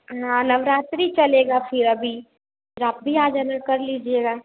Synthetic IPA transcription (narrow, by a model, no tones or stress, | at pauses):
ɦãːnɐʋɾaːt̪ɾit͡ʃɐleːɡafʰɪɾɐbʱi | pʰɪɾaːp̚bʱiaːd͡ʒɐnəɾkɐɾliːd͡ʒieːɡaː